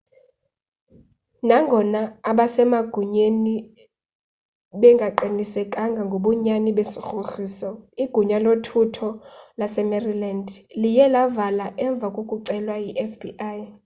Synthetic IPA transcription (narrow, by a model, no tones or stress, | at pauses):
naŋɡʱɔnaːɓasɛmaɡ̥ʱuɲeni | ɓɛŋɡʱaǃinisɛkʼaŋɡʱaŋɡʱoɓɔɲaniɓesixuxiːsɔiɡ̥ʱuɲalotʰutʰɔlasɛmɛrilandʱlijɛlavalaʔɛɱb̪vʱakʼokʼuǀɛlwajiʔɛfbḭʔaːj